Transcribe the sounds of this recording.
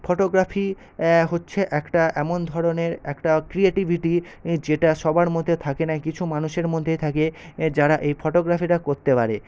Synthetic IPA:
foʈoɡɾafi | ɦotːɕʰeʔɛkʈaʔɛmond̪ʱɔɾoneɾɛkʈakɾieʈibʱiʈi | d͡ʑeʈaʃɔbaɾmod̪ʱːet̪ʰakenakit͡ɕʰumanuʃeɾmod̪ʱːet̪ʰaked͡ʑaɾaʔejfʰɔʈoɡɾafiʈakoɾt̪epaɾe

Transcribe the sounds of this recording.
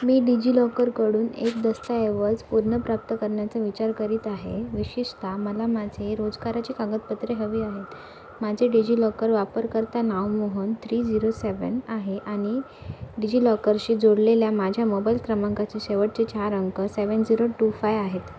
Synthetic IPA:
miːɖid͡ʑiːlɔkəɾkəɽuːnek̚d̪əst̪aeʋəd͡zpuɾɳəpɾap̚t̪əkəɾɳjat͡saʋit͡ɕaɾkəɾiːt̪aɦeʋiɕiʂt̪ʰaməlamad͡zʱeɾod͡zɡaɾat͡ɕikãɡət̪̚pət̪ɾeɦəʋiːaɦet̪ | mad͡zʱeɖid͡ʑilɔkəɾʋapəɾkəɾt̪anaʋmoɦunt̪ʰɾiːd͡ziɾoseʋə̰naɦeʔaɽ̃i | ɖid͡ʑiːlɔkəɾɕiːd͡zoɽleljamad͡ʑʱjamobailkɾəmãŋkat͡seɕeʋəʈ̚t͡ɕet͡ɕaɾəŋkəseʋənd͡ziɾoʈufajaɦet̪

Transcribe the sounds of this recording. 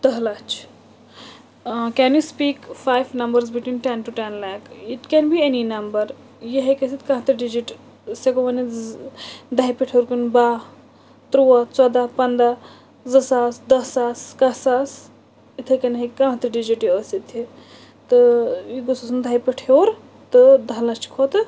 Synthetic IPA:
t̪ɐɦlat͡ʃʰ | kɛnjispiːkfajʋnɐ̃mbəɾzbiʈwĩːnʈɛ̃nʈuʈɛ̃nlakiʈkɛ̃nbieninɐmbəɾ | jiɦekesit̪kãɦt̪ɐɖid͡ʒiʈ | sekoʋɐni | d̪ajpiʈʰoːɾkunba | t̪ɾuɐt͡sɔd̪apɐnd̪a | zəsaːsd̪ɐsaːskɐsas | it̪ʰekɐnɦekãːɦt̪əɖid͡ʒiʈiəsit̪ʰi | t̪ɨjiɡosusund̪ʱajpiʈʰoːɾ | t̪ɨd̪ʱɐlɐt͡ʃkʰoːt̪

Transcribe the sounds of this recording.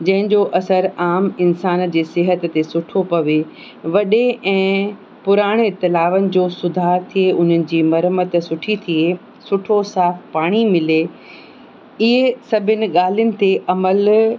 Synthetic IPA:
d͡ʑɐ̃ɦɪ̃ɲd͡ʑoʔɐsəɾaːmɪnsaːnd͡ʑeːsɪɦət̪ːesʊʈʰopɐʋe | ʋɐɗeʔɛ̃ː | pʊɾaːɽ̃eɪt̪ːɪlaːʋənɪ̆d͡ʑoːsʊd̪ʱaːt̪ʰieʔʊn̤ənɪ̆d͡ʑiːmɐɾəmət̪sʊʈʰit̪ʰie | sʊʈʰosaːfpaːɽ̃imɪle | ɪɦesɐbʱɪnɪ̆ɠaːl̤iʊnɪ̆t̪eʔɐməl

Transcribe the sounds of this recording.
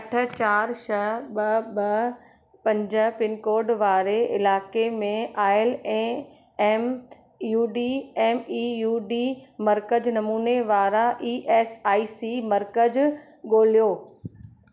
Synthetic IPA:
ɐʈʰə̆t͡ɕaːɾʃɐɓɐɓɐ | pɐ̃ɲd͡ʑə̆pɪnkoːɾɖʋaːɾeɪlaːkemẽʔaːɪlɛ̃ | eːm | juːɖieːmiːjuːɖiːmɐɾkəd͡ʑnɐmuːneʋaːɾaʔiːʔeːsaːisimɐɾkəd͡ʑ | ɠoːlijoː

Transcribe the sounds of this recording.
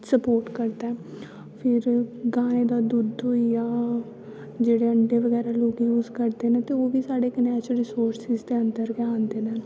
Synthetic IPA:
səpoːɾʈkəɾd̪aɛː | pʰɪɾɡãːẽːd̪aːd̪ud̪ojaː | d͡ʒeːɽeːəɳɖeːʋəɡɛːɾaːloːɡjuːzkəɾd̪eːnẽːt̪eːoːʋiːsaːɽeːkənɛːt͡ʃəlɾɪsoːɾsɪzd̪eːənd̪əɾkɛãːnd̪eːnɛ̃ː

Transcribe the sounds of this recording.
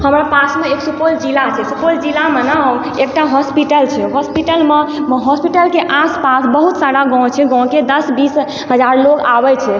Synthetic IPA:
həmɾapasmeeksupold͡ʒilat͡ʃʰɛsupold͡ʒilamena | ek̚ʈaɦɔspiʈəlt͡ʃʰɛɦɔspiʈəlmemɦɔspiʈəlkeʔaspasbəɦut̪saɾaɡɔ̃t͡ʃʰɛɡɔ̃w̃ked̪əsbis | ɦəd͡ʒaɾlokabɛt͡ʃʰɛ

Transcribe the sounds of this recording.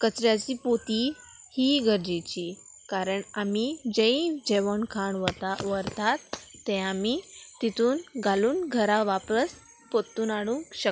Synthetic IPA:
kət͡ɕɾjat͡ɕiːpot̪i | hiːɡʱəɾd͡ʑet͡ɕiː | kaɾəɳamid͡ʑẽĩd͡ʑeʋəɳkʰaɳʋət̪aʋəɾt̪at̪ːɛ̃amit̪it̪ʰuːnɡʱaluːnɡʱəɾaʋapəs | pot̪ːuːnaɽ̃ũŋkɕək

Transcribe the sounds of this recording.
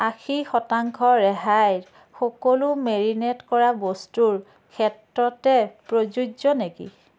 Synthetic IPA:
axixɔtaŋkʰɔɹɛɦajɹ | xɔkɔlumeɹinɛtkɔɹabɔstuɹ | kʰɛtɹɔtɛpɹozud͡ʒɔnekḭ

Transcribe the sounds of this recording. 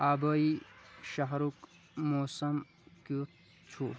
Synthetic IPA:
aːbɐiʃɐɦɾuk | moːsɐm | ki | t͡ʃʰu

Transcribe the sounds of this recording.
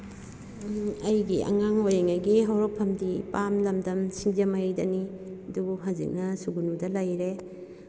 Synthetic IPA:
ɐjɡiʔɐ̰ŋaŋojeŋajɡiɦawɾopʰːɐmdipamlɐmdɐmsiŋd͡ʒɐmajdɐni | ɐdubuɦazḭk̚nɐsuɡunudɐlajɾe

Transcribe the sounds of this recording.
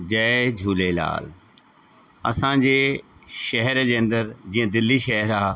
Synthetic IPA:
d͡ʑɛːd͡ʑʱuːlela̰ːl | ɐ̰sãːd͡ʑeːʃɐɦɛɾd͡ʑeːə̃nd̪əɾd͡ʑiːə̃d̪ɪlːiʃɛɦɛɾaː

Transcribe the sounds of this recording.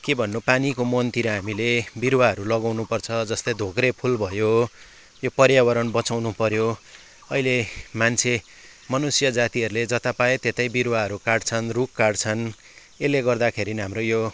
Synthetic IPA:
kebʱʌnːupanikomʌnt̪iɾʌɦamilebiɾwaɦʌɾulʌɡawnupʌrt͡sʰʌd͡zʌst̪ʌjd̪ʱoɡrepʰulbʱʌjo | jopʌrjawʌɾʌnbʌt͡sawnupʌɾjo | ʌilemant͡sʰe | mʌnusjʌd͡zat̪iɦʌɾuled͡zʌt̪apajet̪et̪ʌjbiɾwaɦʌɾukaɖt͡sʰʌnrukːaɽt͡sʰʌn | eleɡʌrd̪akʰeɾinɦamrojo

